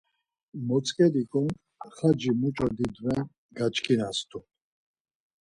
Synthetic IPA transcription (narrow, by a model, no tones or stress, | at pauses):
mɔt͡sʼkʼɛd̪ikʼɔn | χad͡ʒimut͡ʃʼɔd̪id̪vɛn | ɡat͡ʃkʰinast̪ʰu